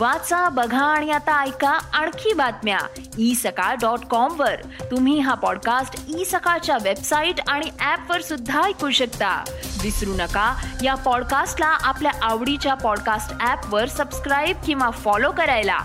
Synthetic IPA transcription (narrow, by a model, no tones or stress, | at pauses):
ʋat͡sabəɡʱãːɽ̃ijat̪aːjkaaɳ̃kʰiːbat̪mja̰ | isəkaɖɔʈkɔmʋəɾ | t̪um̤iːɦapɔɽkasʈisəkat͡ɕjaʋebsaiʈaɽ̃iʔæpʋəɾsud̪ʱːajkuɕəkt̪a̰disɾunəkajapɔɽkasʈlaʔapljaʔaʋɽit͡ɕjapɔɽkasʈæpʋəɾsəbskɾajb̚kĩw̃ʋafɔlokəɾajla̰